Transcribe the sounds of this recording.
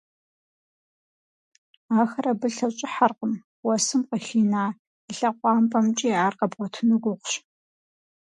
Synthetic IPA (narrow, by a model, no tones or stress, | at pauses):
aːxɐrɐbɨɬɐɕʼɪħarqəm | wɔsɨmqəxiːnaː | əɬɐqʷɑːmpʼɐmt͡ʃʼiaːrqɐbʁʷɔtʰɨnɨɡʷʊqʷɕ